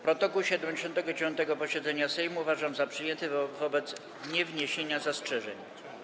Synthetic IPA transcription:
pɾɔt̪ɔkuwɕɛd̪ɛmd͡ʑeɛɕɔnt̪ɛɡɔd͡ʑevjɔnt̪ɛɡɔpɔɕɛd̪zɛɲasɛjmuvaʐamzapʂɘjɛnt̪ɘvɔbɛt̪s | ɲɛvɲeɕeɲazastʂɛʐɛɲ

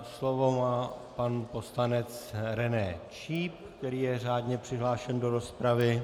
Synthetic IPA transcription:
slo̞vo̞maːpanpo̞slanɛt͡sɾɛnɛt͡ʃiːp̚kt̪ɛɾiːjɛr̝aːdɲɛpr̝̥ɪɦlaːʃɛndo̞ɾo̞spɾavɪ

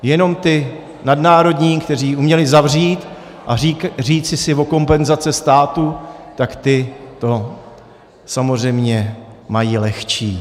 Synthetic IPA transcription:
jɛno̞mt̪ɪ | nadnaːɾo̞dɲiːkt̪ɛr̝iːʔumɲɛlɪzavr̝iːt̪ | ʔariːt͡sɪsɪvo̞ko̞mpɛnzat͡sɛst̪aːt̪ut̪akt̪ɪt̪o̞ | samo̞rɛjmɲɛmajiːlɛxt͡ʃiː

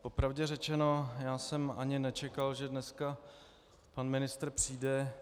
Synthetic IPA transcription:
po̞pɾavɟɛrɛt͡ʃɛno̞jaːsɛma̰ɲɪnɛt͡ʃɛkalʒɛdnɛska | panmɪnɪst̪ɾrpr̝̥iːdɛ

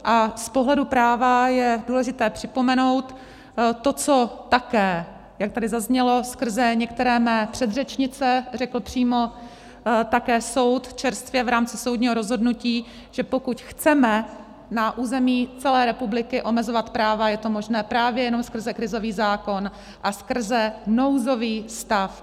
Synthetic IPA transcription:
ʔaspoɦlɛdupɾaːvajɛduːlɛʒɪt̪ɛːpr̝̥ɪpo̞mɛno̞wt̪ː | o̞t͡so̞t̪akɛː | jak̚t̪adɪzazɲɛlo̞skr̩zɛɲɛk̚t̪ɛɾɛːmɛːpr̝̥ɛd̪rɛt͡ʃɲɪt͡sɛrɛkl̩pr̝̥iːmo̞ | t̪akɛːso̞wt̪t͡ʃɛɾst̪vjɛvɾaːmt͡sɪso̞wdɲiːɦo̞ɾo̞zɦo̞dnuciː | ʒ̥ɛpo̞kucxt͡sɛmɛ | naʔuːzɛmiːt͡sɛlɛːɾɛpublɪkɪʔo̞mɛzovat̪pɾaːvajɛt̪o̞moʒnɛːpɾaːvjɛjɛno̞mskr̩zɛkɾɪzo̞viːzaːko̞n | ʔaskr̩zɛno̞wzo̞viːst̪af

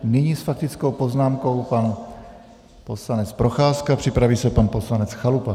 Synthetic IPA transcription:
nɪɲisfak̚t̪ɪt͡sko̞wpo̞znaːmko̞wpan | po̞slanɛt͡spɾoxaːskapr̝̥ɪpɾaviːsɛpanpo̞slanɛt͡sxalupa

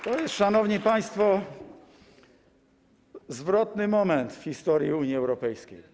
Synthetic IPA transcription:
t̪ɔjɛst̪ʂanɔvɲipaj̃st̪fɔ | zvɾɔt̪nɘmɔmɛnt̪fxʲist̪ɔɾjiuɲjiɛwɾɔpɛjskʲej

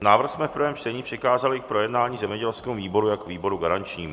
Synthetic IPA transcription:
naːvɾ̩xsmɛffpɾvɛːmt͡ʃt̪ɛɲiːpr̥ɪkaːzalɪk̚pɾo̞jɛdnaːɲiːzɛmɲɛɟɛlskɛːmuviːbo̞ɾujakviːbo̞ɾuɡaɾant͡ʃɲiːm

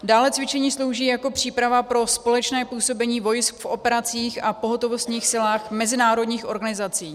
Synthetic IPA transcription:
daːlɛt͡svɪt͡ʃɛɲiːslo̞wʒiːjako̞pr̝̥iːpɾavapɾo̞spo̞lɛt͡ʃnɛːpuːso̞bɛɲiːvo̞jskfo̞pɛɾat͡siːxʔapo̞ɦot̪o̞vost̪ɲiːxsɪlaːxmɛzɪnaːɾo̞dɲiːxʔo̞ɾɡanɪzat͡siː

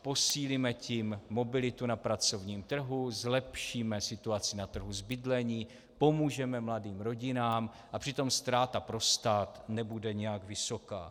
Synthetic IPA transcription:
po̞siːlimɛcimːo̞bɪlɪt̪unapɾat͡so̞vɲiːmt̪r̩ɦuzlɛpʃiːmɛsɪt̪uat͡sɪnat̪r̩ɦuzbɪdlɛɲiː | po̞muːʒɛmɛmladiːmɾo̞ɟɪnaːm | ʔapr̥ɪt̪o̞mst̪ɾaːt̪apɾo̞st̪aːt̪nɛbudɛɲɛjaɡvɪso̞ka̰ː

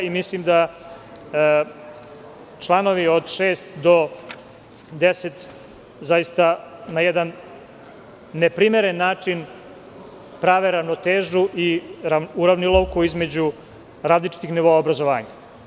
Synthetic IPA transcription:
imislimd̪a | t͡ʃlˠano̞ʋiod̪ʃeːst̪d̪o | d̪eset̪ | zajist̪anajɛd̪an | epɾimeɾenːaːt͡ʂin | pɾaːʋeɾaʋno̞t̪eːʒuʔiɾauɾaʋnilˠowkuizme̞d͡ʑu | ɾaːzlit͡ʃi̥t̪ixniʋoaobɾazo̞ʋa̰ːɲa

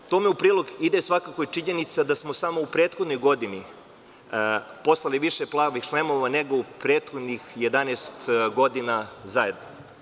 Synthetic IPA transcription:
t̪omeupɾiːlˠo̞ɡid̪esʋakako̞it͡ʃiɲenit̪sad̪asmosamoupɾeːt̪xod̪no̞jɡo̞d̪ini | po̞slˠaliʋiʃeplˠaːʋixʃlemo̞ʋaneɡo̞upɾeːt̪xo̞d̪nixje̞d̪anest̪ɡo̞d̪inazaje̞d̪no

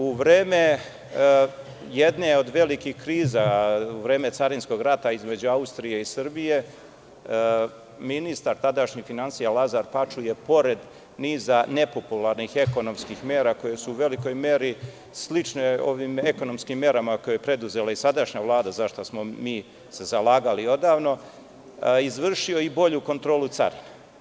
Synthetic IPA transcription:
uʋɾeːme̞ | jed̪neo̞d̪ʋe̞likihkɾiːzauʋɾe̞ːme̞t̪saɾinsko̞ɡɾat̪aizme̞d͡ʑuaust̪ɾije̞isrbije̞ | minist̪aɾt̪ad̪aʃɲifinansijalˠazaɾpat͡ʃujepo̞ɾe̞d̪ | niːzane̞populaɾnixe̞ko̞no̞mskixme̞ːɾako̞je̞suːʋe̞liko̞jme̞ɾi | slit͡ʃneo̞̰ʋiːmeko̞no̞mskimːe̞ɾamako̞joepɾe̞d̪uze̞laisad̪aʃɲaʋlˠaːd̪azaʃt̪osmo̞miː | se̞zalaːɡalio̞d̪aːʋno̞ | izʋr̩ʃio̞ibo̞ʎuko̞nt̪ɾo̞ːlut̪sa̰ɾina

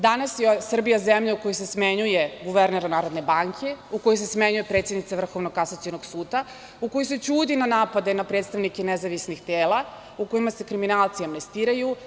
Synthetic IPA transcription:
d̪anasjesr̩bijazemʎauko̞josesmeɲujeɡuʋeɾneɾanaːɾod̪ne̞baŋkʰe̞ukojojs̬esmeɲuje̞pɾet̪sjed̪nit̪saʋr̩xo̞ʋnokasat̪sionoɡsuːd̪a | uko̞joset͡ɕuːd̪inanaːpad̪e̞napɾet̪st̪aʋnikenezaʋisnixt̪eːla | ukoimase̞kɾiminaːlt̪siamne̞st̪iːɾaju

